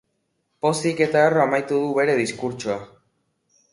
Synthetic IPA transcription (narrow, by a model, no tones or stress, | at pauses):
po̞st̪ike̞t̪aero̞amajt̪uð̞uβe̞ɾe̞ðiskuɾt͡ʃoa